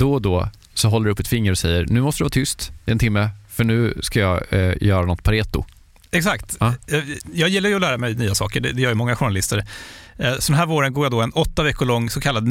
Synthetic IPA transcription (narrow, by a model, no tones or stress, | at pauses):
d̪̥ɔd̪ɔ | sɔɦɔlːɾɖɵɵpːɛt̪fɪŋːəɾɔsɛjːəɾɳʉ̟ːmɔst̪əd̪ɾvɑːt̪ʰʏst̪ɪɛnt̪ʰɪmːəfœɳʉ̟ːskajɑjœːɾanɔt̪ːpʰaɾeːt̪ʊ̰ | ɛksakt̪ː | jɑːɡjɪlːaɾjʏɔlæːɾamɛjnyːasɑ̰ːkəɖɛd̪ɛjœːɾjəmɔŋːaɧʊɳalɪst̪əɾ | sɔd̪ɛnɦæːɾvoːɾənɡoːɾjad̪ɔɛnɔt̪ːavɛkːʊɭɔŋːsɔkʰalːad̪